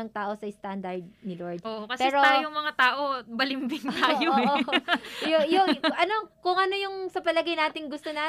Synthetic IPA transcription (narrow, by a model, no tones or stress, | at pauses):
ɐŋt̪aːʔo̞sɐɪst̪and̪ɐɹd̪̚nɪloɹd̪̚ʔoːʔokɐspɛːɾoajʊŋmɐŋat̪aːʔobɐlɪmbɪŋt̪ajo | jojoʔɐnokʊŋʔɐno̞jʊŋsɐpɐlɐɡɐjnaːt̪ɪŋɡʊst̪ona